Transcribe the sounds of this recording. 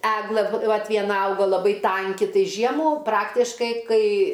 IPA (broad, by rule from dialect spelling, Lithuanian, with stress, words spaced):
ˈæːɡlˠɘ ˈʋɐt ʋʲiɛˈnɐ ˈɐʊɡɐ lˠɐˈbɐɪ ˈtɐŋʲkʲɪ ˈtɐɪ ˈʒʲiɛmuː ˈprɑːktʲɪʃkɐɪ ˈkɐɪ